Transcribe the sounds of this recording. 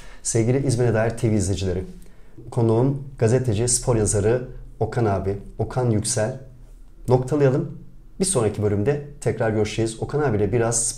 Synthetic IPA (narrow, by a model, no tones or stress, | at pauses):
sevɟilʲiʔizminɛd̪aːjiɾt̪ʰeviːzlʲed͡ʒilʲeɾikʰo̞nuumɡ̥azet̪ʰe̞d͡ʒispʰo̞ɾjazaɾɯo̞kʰanaːbio̞kʰanjycsælʲ | no̞k̚t̪ʰalˠɯjalˠɯm | biso̞nɾacʰibølʲymd̪ɛt̪ʰɛcɾaɾɟøɾʃlʲejizo̞kʰanaːbilʲɛbiɾaz̥s